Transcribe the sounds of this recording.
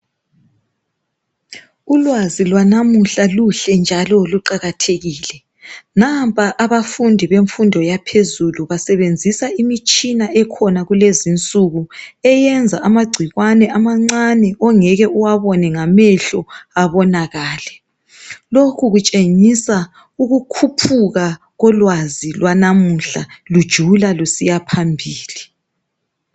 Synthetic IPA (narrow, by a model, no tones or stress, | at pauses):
ulwazilwanamuɬaluɬɛnd͡ʒʱalɔluǃaɣatʰeɣiːlɛ | nampʼaʔaβafundʱiβeɱfundʱɔjapʰezuluβasɛβend͡zʱisaimit͡ʃʼinaɛkʰɔnaɣulezint͡sʼuɣuɛjɛnd͡zʱaamaɡ͡ǀʱiɣwanɛʔamaŋ͡ǀanɛʔɔŋɛɣɛʔuwaβɔnɛŋamɛɬɔaβɔnaɣaːlɛ | lokʰuɣut͡ʃʼeŋisa | uɣukʰupʰuɣa | ɣɔlwazilwanamuɬa̰lud̥ʒ̥ʱulalusijapʰambʱiːli